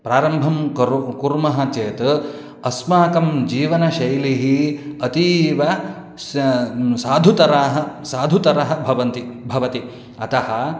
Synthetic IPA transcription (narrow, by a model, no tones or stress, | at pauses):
pɾaːɾɐmbʱɐmɐkuɾmɐɦɐt͡ʃeːt̪ | ɐsmaːkɐmd͡ʒiːʋɐnɐʃɐjliɦiɐt̪iːʋɐ | saːd̪ʱut̪ɐɾɐɦɐsaːd̪ʱut̪ɐɾɐɦɐ̆bʱɐʋɐnt̪ibʱɐʋɐt̪i | ɐt̪ɐhɐ̆